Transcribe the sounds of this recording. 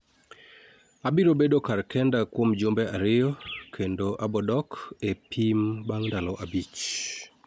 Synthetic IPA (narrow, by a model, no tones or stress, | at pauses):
abiɾobedokarkɛndakwomd͡ʒombeʔaɾɪjɔkʰendoʔabɔdɔkepʰimbaŋndalɔʔabit͡ʃ